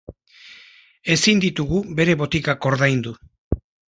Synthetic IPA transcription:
e̞sind̪it̪uɣube̞ɾe̞βo̞t̪ikako̞ɾðajnd̪u

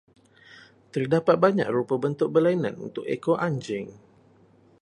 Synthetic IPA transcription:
t̪ərdapat̪̚baɲa̰krupəbənt̪ʊk̚bəlainã̰nṵnt̪ʊkḛkoʔaɲd͡ʒɪŋ

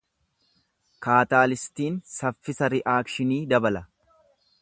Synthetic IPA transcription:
kaːt̪aːlɪst̪iːnsɐfːɪsɐɾɪʔaːkʃɪniːd̪ɐbɐlɐ

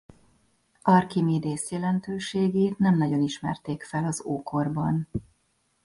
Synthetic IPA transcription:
ɒrkimeːd̪eːsjɛlɛnt̪øːʃeːɡeːt̪nɛmnɒɟo̞niʃmɛ̰rt̪eːkfɛlɒzoːko̞rbɒn

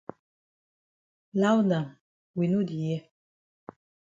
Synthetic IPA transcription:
lawna | winud̪ije

